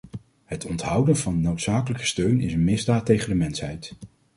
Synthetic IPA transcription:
hətʰɔntɦʌwdənvɑnːowtsaːkələkə̥støɥnɪsənmɪzdaːtːejχəndəmɛnsɦɛjt

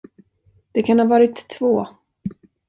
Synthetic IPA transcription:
d̪̥ɛkʰanhaːvɑːɾɪt̪ʰːvoː

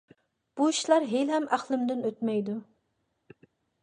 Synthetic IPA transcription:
b̥uiʃlˠɑɾɦelɦɛmʔæχlˠɪmd̪ɪnøt̪mɛjd̪u

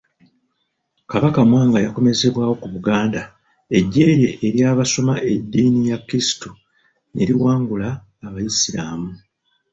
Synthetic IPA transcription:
kaβakamwaːŋɡajako̞me̞ze̞βwaːwo̞kuβuɡaːnda | e̞ɟːe̞ːɾe̞ʔːɾjaːβaso̞maʔe̞dːiːnijakːiisi̥tu | nʔe̞̰ɾiwaːŋɡulaː | βajisiɾamu

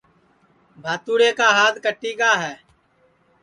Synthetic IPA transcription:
bʱaːt̪uːɽeːkaːɦaːd̪kəʈːiːkaːɦɛː

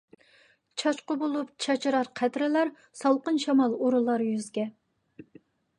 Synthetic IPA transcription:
t͡ʃʰɑt͡ʃqʊbolˠupt͡ʃʰɑt͡ʃʰɾɑɾqʰæt̪ɾɪlæɾ | sɑlˠqənʃɑmɑlˠuɾulˠɑɾjyzɡʲɛ

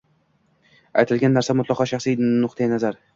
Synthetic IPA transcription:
a̰jt̪ʰɪlɡʲanːaɾsamʊt̪lˠɒqʰɒʃɑχsijnʊqt̪ʰajanazaɾ

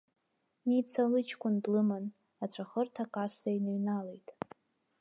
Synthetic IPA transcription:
nit͡sʰalɨt͡ʃʰkʷʰʼʊndlɨmɨn | at͡ɕʷʰaχərtʰakʼasajnɨɥnalejtʼ

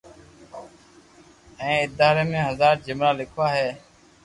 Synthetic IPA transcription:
ẽːɪd̪aːɾeːmẽːɦəzaːɾd͡ʒɪmɾaːlɪkʰʋaːɦɛː

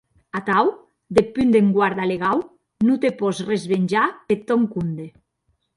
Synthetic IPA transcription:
at̪aw | d̪epynd̪eŋɡwaɾðaleɣaw | nut̪epɔzrezβenʲd͡ʒapet̪ːɔŋkund̪e

